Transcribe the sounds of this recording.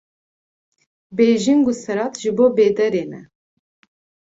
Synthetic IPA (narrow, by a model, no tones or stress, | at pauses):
beʒiŋɡusɐɾɑt̪ʰʒɨboːbeːd̪ɛɾeːnɛ̰